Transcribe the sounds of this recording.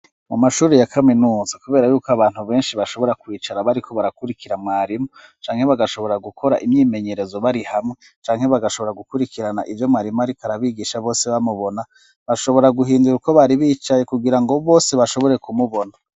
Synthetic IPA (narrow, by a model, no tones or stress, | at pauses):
mumaʃuːɾejakʰaminuːzakuβe̞ːɾajuːkoaβaːn̥huβe̞ːnʃiβaʃo̞βo̞ɾakwiːt͡ʃaɾaβaɾikʰo̞βaɾakuɾikiɾamŋaːɾimo | t͡ʃaːŋhe̞βaɡaʃo̞βo̞ɾaɡukʰo̞ɾa̰ʔimɲiːme̞ɲe̞ɾe̞zo̞βaɾihamŋe | t͡ʃaːŋhe̞βaɡaʃo̞βo̞ɾaɡukuɾikiɾana̰ʔivjo̞mŋaːɾimoaɾikaɾaβiɡiʃaβoːse̞βamuβo̞na | βaʃo̞βo̞ɾaɡuɦiːnduɾuko̞βaɾiβiːt͡ʃajekuɡiɾaŋɡo̞βo̞ːse̞βaʃo̞βo̞ɾe̞kumuβo̞na